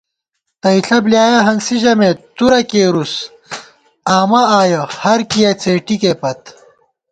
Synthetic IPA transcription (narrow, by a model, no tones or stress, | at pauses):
t̪ɐiɬɐbljaːjɐɦɐnsiʑɐmet̪uɾɐkeːɾus | aːmɐaːjɐhɐɾkijɐt͡seːʈikepɐt̪